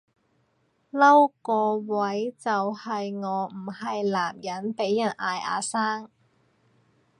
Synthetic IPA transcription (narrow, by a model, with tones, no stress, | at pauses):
lɐ˥wkɔː˧wɐ˨˦˥jt͡sɐ˨whɐ˨jŋɔː˨˧m̩˨˩hɐ˨jlaː˨˩mjɐ˨˥npe˨˥jːɐ˨˩nʔaː˧jʔa̰ː˨˧saː˥ŋ